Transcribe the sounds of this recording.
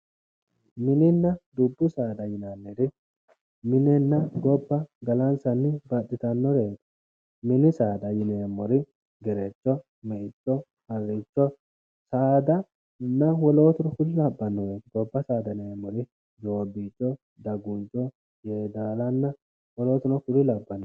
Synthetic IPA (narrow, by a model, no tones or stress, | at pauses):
mɪnɪnːɐd̪ʊbːʊsaːd̪ɐjɪnanːed̪ɪ | mɪnɛnːɐɡɔbːɐɡɐlɐnsɐnːɪbɐɗɪt̪ɐnːɔɾeːt̪ | mɪnɪsaːd̪ɐjɪneːmːɔɾɪ | ɡɛɾɛt͡ʃːɔ | mɛʔɪt͡ʃːɔ | hɐrɪt͡ʃːɔ | saːd̪ɐ | nːɐwɔlo̞ːt̪ʊnɔkʊlɪlɐbːɐnːɔjeːt̪ɡɔbːɐsaːd̪ɐneːmːɔɾɪ | d͡ʒo̞ːbit͡ʃʼːɔ | d̪ɐɡʊnt͡ʃʼːɔ | jeːd̪aːlɐnːɐ | wɔlo̞ːt̪ʊnɔkʊlɪlɐbːɐnːɔ